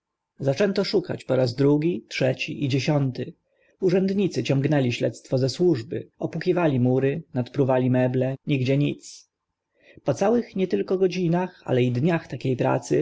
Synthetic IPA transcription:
zat͡ʂɛnt̪ɔʂuka̰t͡ɕpɔɾazd̪ɾuɡʲitʂɛt͡ɕḭʔid͡ʑeɕɔnt̪ɘ | uʐɛnd̪ɲit̪sɘt͡ɕɔ̃ŋɡnɛlʲiɕlɛt̪st̪fɔzɛswuʐbɘ̰ɔpukʲivalʲimuɾɘnat̪pɾuvalʲimɛblɛɲiɡd͡ʑɛɲit̪s | pɔt̪sawɘxɲɛt̪ɘlkɔɡɔd͡ʑinaxa̰lɛid̪ɲaxt̪akʲejpɾa̰t̪sɘ

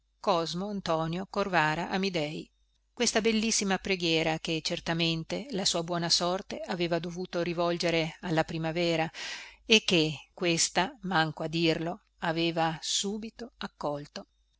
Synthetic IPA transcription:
kɔzmoant̪ɔːnjokorvaːɾaʔamid̪ɛj | kwest̪abelːisːimapɾeɡjɛːɾak̟et͡ʃert̪ament̪elasuːabwɔːnasɔrt̪eaveːvad̪ovuːt̪oɾivɔld͡ʒeɾealːapɾimavɛːɾaekːekːwest̪amaŋkoad̪irlo | aveːvasuːbit̪oakːɔlt̪o

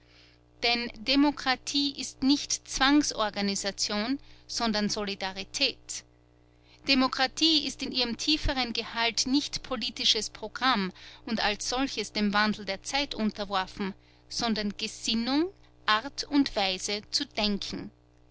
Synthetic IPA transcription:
d̥ɛndemokʁ̥atʰiːʔɪstnɪçtt͡sv̥aŋsʔɔɐɡanizat͡sjoːnz̥ɔndɐnzolidaʁitʰɛːt | d̥emokʁ̥atʰiːɪstɪnʔiːʁəmtʰiːfəʁənɡəhaltnɪçtpʰoliːtɪʃəspʁ̥oɡ̥ʁamʊntalsz̥ɔlçəsd̥eːmvandl̩deːɐt͡saɪtʔʊ̃ntɐvɔɐfn̩ | z̥ɔndɐnɡ̥əz̥ɪnʊŋ | ʔaʁtʰʊntv̥aɪzət͡sud̥ɛŋkʰn̩

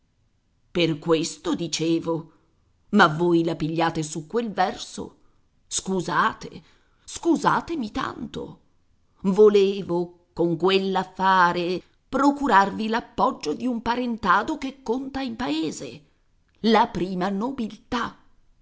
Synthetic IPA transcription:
perkwest̪od̪it͡ʃeːvo | mavːoːjlapiʎːaːt̪esukːwelvɛrso̰ | skuzaːt̪ḛ | skuzaːt̪emit̪a̰nt̪o̰ | voleːvo | koŋkwelːafːaːɾe | pɾokuɾarvilapːɔd͡ʒːod̪iumpaɾent̪aːd̪okekːont̪aimpaeːzḛ | lapɾiːmanobilt̪a

